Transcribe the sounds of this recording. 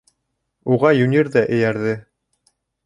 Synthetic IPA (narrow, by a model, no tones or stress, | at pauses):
uʁɑjʉnʲiɾðæʔɘ̆jæɾðɘ